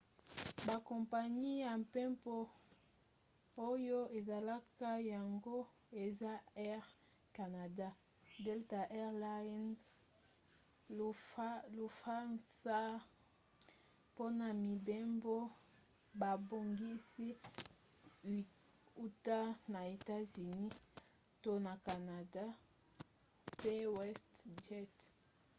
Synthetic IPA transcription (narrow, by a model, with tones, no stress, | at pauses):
ba˨ko˨mpa˨ɲi˦ja˨mpɛ˦mpo˦ | o˦jo˦e˨za˨la˦ka˦ja˨ŋɡo˦ | e˨za˦ɛ˦ʁ | ka˨na˨da˦ | dɛ˦lta˨ʔɛ˦ʁla˦nz | lo˨fa˦nsa˦ | po˦na˨mi˨be˦mbo˦ | ba˨bo˨ŋɡi˦si˦˨ | u˦ta˦na˨e˨ta˦zy˨ni˦ | to˦na˨ka˨na˨da˦ | pe˦wɛ˦std͡ʒɛ˦t